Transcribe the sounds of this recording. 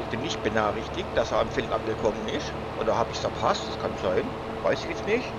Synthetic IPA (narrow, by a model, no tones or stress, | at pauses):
ɪçb̥ɪnːɪçt̚b̥ənaːχɪçtɪkt̚d̥aseɐamfɪlmʔa̰nɡəkʰɔmənɪs | ʔo̰ːdɐhaːbɪçsɐɐpʰastd̥askʰanz̥aɪn | vaɪsɪçjɛt͡stnɪçt